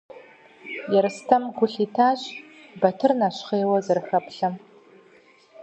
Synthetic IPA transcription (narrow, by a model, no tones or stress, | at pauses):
jɛɾɨstʰɐmɡʷʊɬiːtʰaːɕ | bɐtʰɨrnaɕχeːwɐzɐrɨxɐpɬɐm